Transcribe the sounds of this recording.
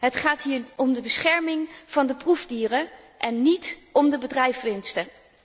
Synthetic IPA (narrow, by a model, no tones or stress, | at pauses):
ɦətχaːtɦiːɹɔmdəbəsχɛɹmɪŋv̥ɑndəpruvdiːrə | ʔɛnːitɔmdəbədrɛjfʋɪnstə